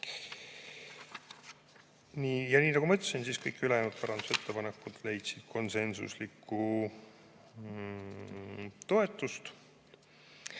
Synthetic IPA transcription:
niːjɑniːnɑɡ̥umɤt̪ʲːˑesinsiːskɤjkːylejɑnut̪̚pæɾɑnd̪̥use̞t̪ːepɑnekːˑud̪̥le̞jt̪sid̪̥̚kʰo̞nse̞nsṵslikːu | t̪o̞e̞t̪ːˑust̪

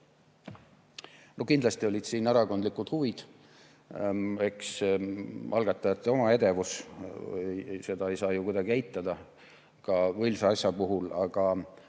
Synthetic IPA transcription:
no̞kind̪lɑst̪io̞lʲid̪̥siːnæɾɑko̞nd̪likud̪̥huvid̪̥ | e̞ks | ɑlɡ̥ɑt̪ːˑɑjɑt̪ːˑeo̞mɑe̞d̪e̞vus | jse̞d̪̥ɑe̞jsɑːjukud̪ɑɡ̥iejt̪ˑːɑd̪̥ɑ | kɑvɤjlseɑsʲjɑpuɦulɑɡ̥ɑ

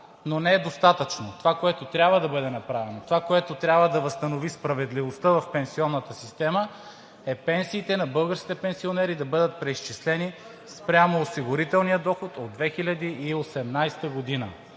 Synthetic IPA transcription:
nonɛɛd̪ost̪at̪ət͡ʃnot̪ovakoɛt̪ot̪ɾʲabvəd̪ɐbɤd̪ɛnɐpɾavɛnot̪ovakoɛt̪ot̪ɾʲabvəd̪ɐvəst̪ɐnovispɾɐvɛd̪livost̪əvɐfpɛnsiɔnːət̪əsist̪ɛmə | ɛpɛnsiːt̪ɛnɐbɤlˠɡəɾskʲit̪ɛpɛnsionɛɾid̪ɐbɤd̪ət̪̚pɾɛiʃt͡ʃislɛni | spɾʲamoːsiɡoɾit̪ɛlˠnijəd̪ɔxot̪od̪vɛxilʲɐd̪iːosɛmnajst̪əɡod̪inə

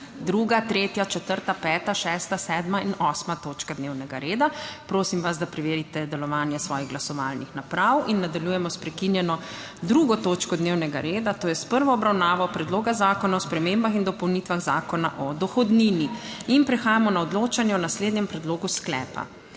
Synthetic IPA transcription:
d̪ɾuːɡat̪ɾeːt̪jat͡ʃɛt̪əɾt̪apɛːt̪aʃɛːst̪asɛːd̪mainɔsmat̪oːt͡ʃkad̪neːwnɛɡaɾeːd̪apɾoːsimʋazd̪apɾɛʋeːɾit̪ɛd̪ɛlɔʋaːnjɛsʋɔːjiɣɡlasɔʋalnixnapɾawinːad̪aljuːjɛmɔspɾɛkinjɛnɔ | d̪ɾuɡɔt̪oːt͡ʃkɔd̪newnɛɡaɾeːd̪at̪oːjɛspəɾʋɔːbɾawnaːʋɔpɾɛd̪loːɡazaːkɔnaɔspɾɛmembaxind̪ɔpɔwnit̪ʋaɣzaːkɔna̰ʔɔd̪ɔxɔd̪niniinpɾɛxaːjamɔnaɔd̪loːt͡ʃanjɛɔnasleːd̪nɲɛmpɾɛd̪loːɡusklɛ̰ːpa̰

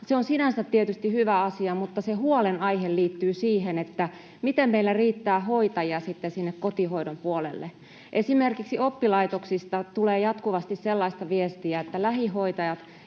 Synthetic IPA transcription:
seonsinænsæt̪tiet̪yst̪ihyʋæɑsiɑmut̪ːɑsehuolenɑiɦelliːt̪ːyːsiːɦenet̪ːæ | mit̪emmeilːæriːt̪ːæːhoit̪ɑjiɑsit̪ːesinːekkot̪ihoidompuolḛlːḛ | ʔesimerkiksiopːilɑit̪oksist̪ɑt̪uleːjɑt̪kuʋɑst̪isselːɑist̪ɑʋiest̪iæet̪ːælæɦihoit̪ɑjɑt̪

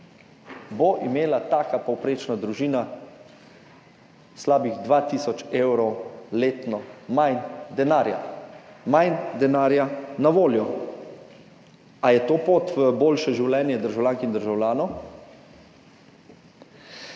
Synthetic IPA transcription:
boʔimeːlat̪aːkapɔwpɾeːt͡ʃnad̪ɾuʒiːna | slaːbiɣd̪ʋat̪isɔt͡ʃewɾɔwleːt̪nɔmajnd̪ɛnaɾja̰majnd̪ɛnaːɾjanaʋoːljɔ | ajɛt̪oːpoːt̪ʋəboːlʃɛʒiwlɛːnjɛd̪əɾʒawljaːŋkind̪əɾʒawlʲjaːnɔ

